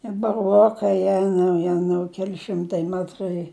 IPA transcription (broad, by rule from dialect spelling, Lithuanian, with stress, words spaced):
ɪ bɐˈruɔkɐɪ ˈjæːnɐʊ ˈjæːnɐʊ ˈkʲæːlʲɪ ˈʃʲɪmtɐɪ ˈmʲæːtrɐɪ